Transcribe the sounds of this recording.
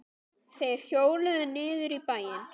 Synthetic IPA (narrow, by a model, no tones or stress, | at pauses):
θejɛɾ̥θjoːwlɛðʏnɪːðʏɾipaːjɪn